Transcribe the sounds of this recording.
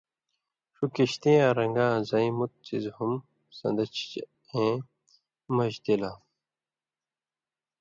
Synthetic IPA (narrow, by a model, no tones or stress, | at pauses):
ʂukiɕt̪ĩãɾɐŋɡãːzɐĩmut̪̚t͡sḭzhum | sɐ̰̃nd̪ɐt͡ɕ | ẽ | mɐʑd̪ela